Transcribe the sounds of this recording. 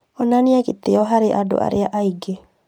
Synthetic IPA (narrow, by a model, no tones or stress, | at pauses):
ɔnaniakit̪eɔɦaɾeʔado̰ʔa̰ɾeaʔaiɡe